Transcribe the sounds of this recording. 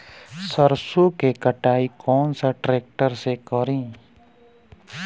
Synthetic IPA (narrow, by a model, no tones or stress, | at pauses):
səɾsokekəʈaːikʰɔːnsaʈɾeːk̚ʈəɾsekəɾĩː